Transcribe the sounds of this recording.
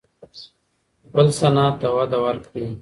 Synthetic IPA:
bəlsɐnaːt̪ɐwɐd̪ɐwɐɾkt̪iː

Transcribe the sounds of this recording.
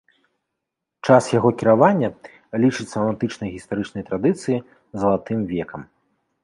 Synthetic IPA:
t͡ʂasjaɣɔkʲiɾavanʲːɐ | lʲit͡ʂɨt̪ʲsːɐɐmant̪ɨt͡ʂnɐjɣʲist̪aɾɨt͡ʂnɐjt̪ɾad̪ɨt̪sɨji | zɐlˠat̪ɨmvʲɛkɐm

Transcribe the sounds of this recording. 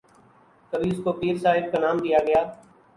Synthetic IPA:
kəbʱiːʊskoːpiːɾsaːɦɪb̚kaːnaːmd̪ijaːɡəjaː

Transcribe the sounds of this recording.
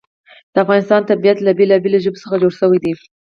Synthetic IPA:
d̪̥əafɣɑnɪst̪ɑnt̪abijat̪labelɑbeloʒəbesəxad͡ʒoɽʃəwijd̪i

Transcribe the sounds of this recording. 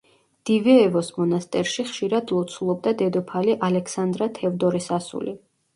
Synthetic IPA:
d̪̥ivɛːvɔsmɔnast̪ʼɛɾʃiχʃiɾad̪lˠɔt̪sʰulˠɔb̚d̪ad̪ɛd̪ɔpʰaliʔalɛkʰsand̪ɾat̪ʰɛvd̪ɔɾɛsasṵli

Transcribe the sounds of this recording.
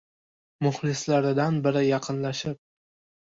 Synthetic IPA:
mʊχlɪslaɾɪd̪anbɪɾɪjɑqʰɨnlaʃɪp̚

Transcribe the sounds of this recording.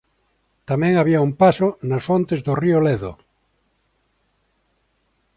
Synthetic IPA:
t̪amẽŋaβiaumpasonasfõnt̪ezðorioleðo̰

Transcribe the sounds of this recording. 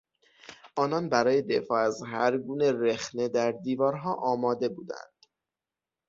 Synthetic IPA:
ʔɒːnɒnbæɾɒːje̞d̪e̞fɒːæzɦæɾɡuːne̞ɾexne̞d̪æɾd̪iːvɒːɾɦɒːʔɒːmɒːd̪e̞buːd̪æ̰nd̪̥

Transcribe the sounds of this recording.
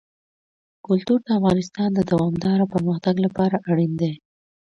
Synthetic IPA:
kʊlt̪uɾd̪əafɣɑnɪs̬t̪ɑnd̪əd̪awɑmd̪ɑɾapəɾməxt̪aɡlapɑɾaʔaɽind̪e

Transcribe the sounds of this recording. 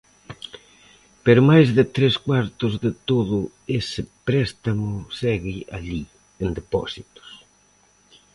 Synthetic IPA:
peɾʊmajzðɪt̪ɾeskwaɾt̪ʊzðɪt̪oðʊ | esɪpɾɛst̪amʊsɛɣɪʔaʎi | end̪epɔ̰sit̪ʊ̥s

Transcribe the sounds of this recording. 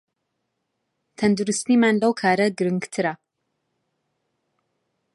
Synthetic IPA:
t̪ʰɐnd̪uɾɨst̪iːmaːnlɐwkʰaːɾɐɡɨɾɨŋɡt̪ʰɨɾɐ

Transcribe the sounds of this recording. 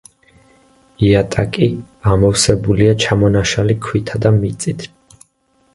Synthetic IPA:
iat̪ʼakʼi | amɔfsɛbuliat͡ʃʰamɔnaʃalikʰwit̪ʰad̪amit̪sʼit̪ʰ

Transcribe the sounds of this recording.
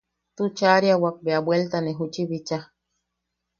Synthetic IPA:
t̪ut͡ʃaɾjawak̚beabwelt̪aneɦut͡ʃiβit͡ʃa

